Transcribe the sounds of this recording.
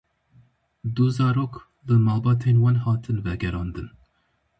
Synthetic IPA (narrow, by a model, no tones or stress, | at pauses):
d̪uzɑːɾoːk | lɨmɑːlˠbɑːt̪ʰeːnwɑnhɑːt̪ʰɨnvɛɡɛɾɑːnd̪ɨn